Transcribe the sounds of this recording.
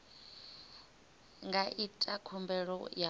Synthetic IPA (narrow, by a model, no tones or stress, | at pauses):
ŋɡaʔitʼakʰɔmbɛɺɔ̰ja